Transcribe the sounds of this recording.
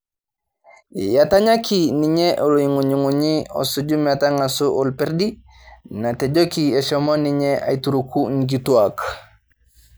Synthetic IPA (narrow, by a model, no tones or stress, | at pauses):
jataɲakiniɲeʔoloiŋuɲuŋuɲio̰suɟumataŋasuʔulpeɾdi | nateɟokieʃomoniɲeʔa̰ituɾukuŋɡituak